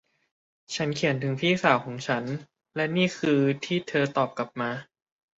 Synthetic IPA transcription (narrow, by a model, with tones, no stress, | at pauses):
t͡ɕʰa˦˥nkʰi˨˩˦ənt̪ʰɯ˩˦ŋpʰiː˥˩saː˩˦wkʰɔː˩˦ŋt͡ɕʰa˦˥n | lɛ˦˥niː˥˩kʰɯː˧t̪ʰiː˥˩t̪ʰɤː˧t̪ɔː˨˩p̚kla˨˩p̚maː˧